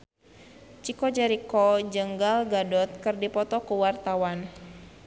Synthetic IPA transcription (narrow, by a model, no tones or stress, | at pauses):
t͡ʃikɔd͡ʒɛɾikɔd͡ʒəŋɡalɡadɔt̪̚kɨrdipɔt̪ɔkəwart̪awan